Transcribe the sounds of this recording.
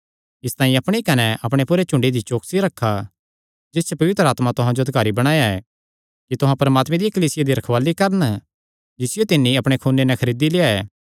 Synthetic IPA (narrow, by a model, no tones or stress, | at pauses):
ɪst̪aːĩɐpɽ̃ikɐnɛʔɐpɽ̃epuːɾet͡ʃʊ̃ɳɖid̪it͡ʃoːksiɾɐkʰːa | d͡ʒɪst͡ʃepɐʋɪt̪ɾəaːt̪mat̪ʊɦãd͡ʒoɐd̪kaːɾibɐɽ̃aːjaɛ | kit̪ʊɦãpɐɾəmaːt̪mẽd̪ikɐliːsɪjad̪iɾɐkʰʋaːlikɐɾən | d͡ʒɪsɪjot̪ɪnːiɐpɽ̃ekʰuːnːenɛkʰɐɾiːd̪ileːaɛ̰ː